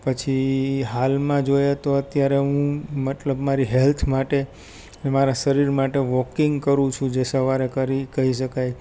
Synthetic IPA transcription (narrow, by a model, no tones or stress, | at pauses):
pət͡ʃʰiɦalmãd͡ʒojet̪oət̪jaɾeɦũmət̪ləbmaɾiɦɛlt̪ʰmaʈe | nemaɾasəɾiɾmaʈeʋɔkiŋɡkəɾũt͡ʃʰũd͡ʒesəʋaɾekəɾikəiʃ̬əkaj